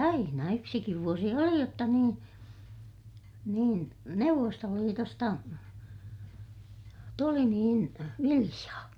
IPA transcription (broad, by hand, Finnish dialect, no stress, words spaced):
ɑinɑ yksikiʋ ʋuosi oli jotːɑ niːn niːn neuʋːostoliːtostɑ tuli niːn ʋilij̆ɑː